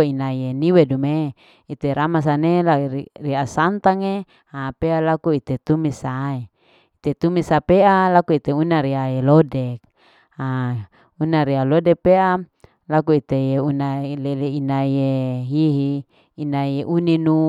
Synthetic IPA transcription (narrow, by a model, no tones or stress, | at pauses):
inaijeniwedume | it̪eɾamas̬anelariasant̪aŋe | apealakuit̪et̪umisae | it̪et̪umisapeʔalakuit̪eunaɾiaelodek̚ | a | unaɾialodepea | lakuit̪ejeunaleleinaieɦiɦiː | naieʔuninu